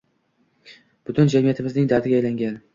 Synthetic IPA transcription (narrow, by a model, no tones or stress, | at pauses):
b̥ʊt̪ʰʊnd͡ʒamijat̪ʰɪmɪznɪŋd̪at̪ʰɪɡʲaːjlaŋɡʲan